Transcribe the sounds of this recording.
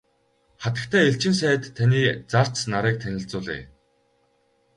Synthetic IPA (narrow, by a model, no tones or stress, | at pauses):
χat̪ə̥̆k̚t̪ʰæːeɬt͡ɕɪ̆ns̬æːt̪ʰːaniːt͡sar̥t͡snaɾæːk̚t̪ʰænʲɪ̆ɬt͡sʊːɮḛː